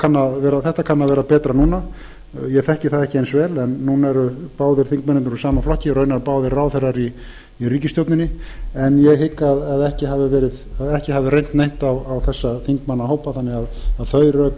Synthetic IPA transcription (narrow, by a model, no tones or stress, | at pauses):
kʰanːavɛːɾaθɛht̪akʰanːavɛːɾapɛːt̪ɾanuːna | jɛθɛhcɪθaðɛhcɪejnsvɛːlɛnːuːnɛɾʏpaːwðɪɾ̥θiŋkmɛnɪnɾusaːmaflɔhcɪɾœɥnaɾpaːwðɪɾaːwθejrːaɾi | iriːcɪst̪jowp̪nɪnːɪɛnjɛɣɦɪkːaðaðɛhcɪɦavɪvɛːɾɪðaðɛhcɪhaːvɪrejn̥t̪nejh̪t̪awawθɛsːaθiŋkmanːaɦoːwpaθanːɪɣaðaðθœɥɾœk